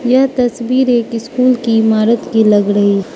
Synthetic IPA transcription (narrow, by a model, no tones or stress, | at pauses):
jat̪ɐsbiːɾeːkɪskuːlkiɪmaːɾət̪kilɐɡɾɐɦi